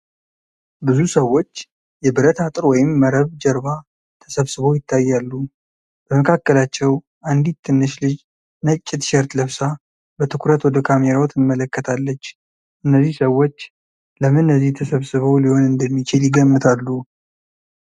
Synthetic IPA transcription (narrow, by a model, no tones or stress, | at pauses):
bɨzusəwːo̞t͡ʃː | jɛbɨɾət̪ʰat̪ʼɨɾwɔjɪmːəɾəβd͡ʒəɾβa | t̪ʰəsəβsɨβo̞jɪt̪ʰːajːalːu | b̥əməkʰakːəlat͡ʃːɛw | ʔand̪it̪ʰːɨnːɨʃlɨd͡ʒ | nət͡ʃʼːɪt̪ʃɛɾt̪ləβsa | bət̪ʰɨkʷʰɾət̪wɔd̪əkʰameɾawot̪ʰɨmːələkːət̪ʰalːət͡ʃː | ʔɨnːəzːihsəwːo̞t͡ʃː | ləmɨnːəzːiht̪ʰəsəβsɨβo̞liho̞nɨnd̪əmːit͡ʃɪljɪɡəmːɨt̪ʰalːu